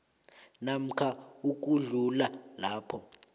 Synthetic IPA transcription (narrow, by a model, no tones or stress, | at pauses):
nam̩kʰauk̬uɮulalaːpʰɔ